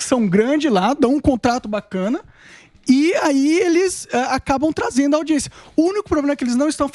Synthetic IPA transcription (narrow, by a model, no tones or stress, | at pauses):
sɐ̃w̃ɡɾɐ̃d͡ʒɪlad̪ɐ̃w̃ũkõnt̪ɾat̪ʊbakɐ̃nɐ | ɪaielɪzɛakabɐ̃w̃t̪ɾazẽnd̪ʊɐawd͡ʒiẽsijɐ̥ʊũnikʊpɾoblẽmɐkɪelɪznɐ̃w̃ɪst̪ɐ̃w̃f